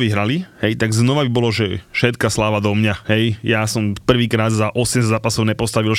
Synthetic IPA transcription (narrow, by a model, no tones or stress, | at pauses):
ʋiɦɾalihɛjt̪aɡznɔʋabibɔlɔʒɛfʃɛt̪kaslaːʋad̪ɔmɲaɦɛjjasɔmpr̩ʋiːkɾaːd̪zaʔɔsɛmzzaːpasɔʊɲɛpɔst̪aʋil